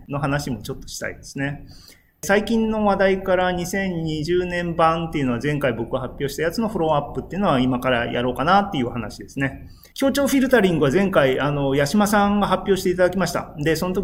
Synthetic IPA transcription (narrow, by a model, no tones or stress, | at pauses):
no̞ɦanaɕimo̞t͡ɕo̞t̪ːo̥ɕi̥t̪a̰id̪e̞sɨ̥ne̞ | saikʲĩnːo̞βad̪aikaɾaɲ̟isẽ̞ɲ̟ɲiʑɨːnẽ̞mbãnt̪e̞iɯ̟no̞βazẽ̞ŋkaibo̞kɯ̟ɡahapʲːo̞ːɕi̥t̪ajat͡sɨno̞ɸɯ̟ɾo̞apːɯ̟t̪ːe̞iɯ̟no̞aimakaɾa̰jʔa̰ɾo̞ːkanat̪ːe̞iɯ̟oɦanaɕid̪e̞sɨne̞ | kʲoːt͡ɕo̞ːɸʲiɾɯ̟t̪aɾʲĩŋɡɯ̟βazẽ̞ŋkaiano̞jaɕimasãŋɡaɦapʲːjo̞ːɕi̥t̪eit̪ad̪akʲimaɕi̥t̪a̰d̪e̞sono̞t̪o̞kʲ